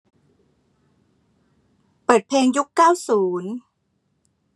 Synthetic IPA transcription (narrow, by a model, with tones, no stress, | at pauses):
pɤː˨˩t̪̚pʰleː˧ŋju˦˥kːaː˥˩wsuː˩˦n